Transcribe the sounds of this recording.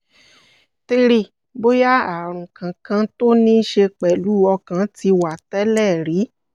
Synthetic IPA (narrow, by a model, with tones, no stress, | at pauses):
ti˧ɾi˧˨ | bo˦ja˦a˨ɾ̃ũ˨kã˨kã˧˦to˦nĩ˦ʃe˧k͡pɛ˨lu˨˦ɔ˧kã˧˦ti˧wa˨tɛ˦lɛ˦˨ɾi˨˦